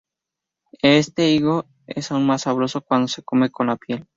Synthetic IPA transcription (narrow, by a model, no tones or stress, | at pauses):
est̪e̞iɣo | e̞̰saunmasaβɾo̞so̞kwand̪ose̞̥ko̞me̞ko̞nlapje̞l